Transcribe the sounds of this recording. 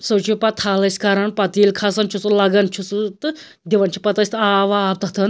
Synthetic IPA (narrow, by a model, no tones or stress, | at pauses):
sɐwt͡ʃʰipɐt̪ʰaːlɐsʲkɐɾɐnpɐt̪iːlkʰɐsɐnt͡ʃʰusulɐɡɐnt͡ʃʰusut̪ɨ | d̪ʲiʋɐnt͡ʃʰi̥pɐt̪ɐsʲt̪ɨaːʋaːb̚t̪ɐt̪ʰɨn